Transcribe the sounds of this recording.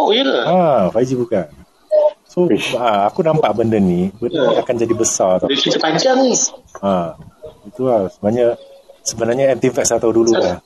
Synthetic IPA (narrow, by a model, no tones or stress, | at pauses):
oiəlaafaid͡ʒibukan | soaakunampaʔbəndənːibədənakand͡ʒadibəsat̪akit̪əpaɲd͡ʒaŋniait̪ulahsəbəaɲasəbənarɲaɛnt̪ifɛk̚sat̪awdululah